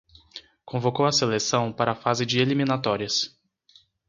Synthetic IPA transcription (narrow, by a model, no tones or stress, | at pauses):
kõvokowɐselesɐ̃w̃paɾɐːfazɪd͡ʒɪelimĩnat̪ɔɾiɐs